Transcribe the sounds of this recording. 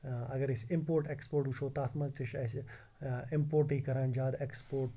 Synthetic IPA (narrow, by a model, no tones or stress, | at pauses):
ɐɡɐɾɪsɪmpoːɾʈeːkspoːɾʈuʃʰoːt̪aːt̪ʰmɐzt̪iʃɐs | ɪmpoːɾʈiːkɐɾand͡ʒaːd̪ekspoːɾʈ